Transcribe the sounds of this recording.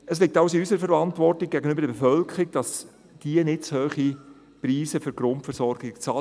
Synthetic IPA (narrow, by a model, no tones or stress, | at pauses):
əslɪk̚tɑʊsɪysəɾəfəɾɑntʋɔrtɪk̚ɡ̥æɡənʏbəɾdəbɛfœlkʰɾɪkd̥ɑs | d̥iənɪtt͡shøːχi | priːsəfʏɾɡ̥ɾʊntfəɾsɔrɡɪkt͡sɑ